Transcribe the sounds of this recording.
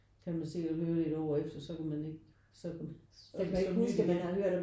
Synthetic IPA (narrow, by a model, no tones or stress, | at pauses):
kʰælmænse̝̰ːɒhøːɐle̝ɾ̥ɒʊ̰ɐefd̥ɐsɒ̽kumæne̝ɡ̥ | sɒ̽kʰum | sɒnusɡ̥æmænæhøɐ̰ɾ̥